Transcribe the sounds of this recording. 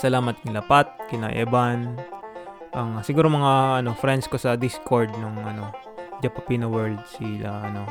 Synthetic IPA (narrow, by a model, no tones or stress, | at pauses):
sɐlaːmɐt̪ɪŋlɐpat̪̚kɪna̰ʔɛ̰ːbɐn | ʔɐŋsɪɡuːɾomɐŋaʔɐno̞fɾɛnd̪sko̞sɐd̪ɪskoɹd̪̚noŋʔɐno̞ | d͡ʒɐpɐpiːnowɛɹld̪̚siɐʔɐno̞